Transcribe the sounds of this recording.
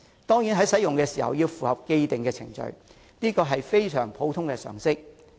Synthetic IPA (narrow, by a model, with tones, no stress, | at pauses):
t̪ɔː˥ŋji˨˥nɦɐ˨˥jsɐ˨˥jʊ˨ŋkɛː˧siː˨˩hɐ̰˨wjiː˧wfuː˨hɐ˨p̚ke˧jt̪ɪ˨˩ŋkɛː˧t͡sʰɪ̰˨˩ŋt͡ʃɵ̰˨ɥ | niː˥kɔː˧ɦɐ˨jfe˥jsœ̰ː˨˩ŋpʰo˨˥wt̪ʰʊ˥ŋkɛː˧sœ̰ː˨˩ŋsɪ˥k̚